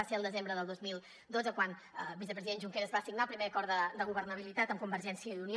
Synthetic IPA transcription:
aseəlˠd̪əzembɾəðəlˠd̪ozmilˠ | d̪od͡zzəkwan | βisəpɾəziðenʒuŋkeɾəzβasiɡnalˠpɾimeəkɔɾd̪əd̪əɣ̞uβərnəβ̞ilit̪at̪əmkumbərʒɛnsiəðunio

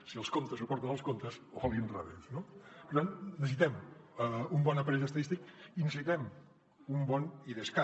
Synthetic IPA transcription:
siəlˠskont̪əzupɔɾt̪ənəlˠskont̪əzoβɔlˠinraβensnopəɾt̪annəsit̪ɛm | umbɔnəpɾɛzəst̪ɐðist̪ikinəsit̪ɛm | umbɔniðəska

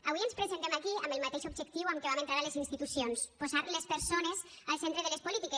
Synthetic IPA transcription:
aβiənspɾezent̪emakiəmbəlˠmat̪eʃubʒəkt̪iwamkeβamẽnt̪ɾaɾalezinst̪it̪usionspozaɾlespəɾsonez | alˠsent̪ɾeðəlespulit̪ike

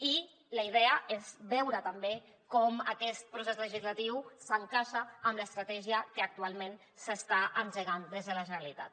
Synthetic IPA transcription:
i | ləið̞ɛəezβɛwɾət̪əmbe | kɔməkɛst̪̚pɾusezləʒizlət̪iwsəŋkaʃəːmləst̪ɾət̪ɛʒiəkəːk̚t̪ualˠmen | səst̪aʔənʒəɣand̪ezðələʒənəlit̪a̰t̪̚

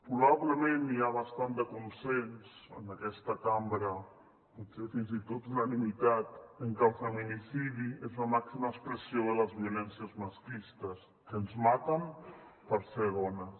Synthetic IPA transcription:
pɾuβaβləmẽnːiaβ̞ast̪and̪əkunsensə̰nəkɛst̪əkambɾə | putsefinzit̪ot̪unənimit̪at̪əŋkalˠfəminisiðiezləmaksiməkspɾəsioðələzβiulɛnsiəzmaskist̪əs | kənzmat̪əmpəɾseβɔnə

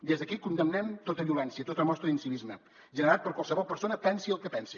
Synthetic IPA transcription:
d̪ezðəkikund̪əmnɛmt̪ot̪əβiulɛnsiət̪ot̪əlmɔst̪ɾəinsiβizmə | ʒənəɾat̪̚pəɾkwalˠsəβɔlˠpəɾsonəpɛnsiəlˠkəpɛnsi

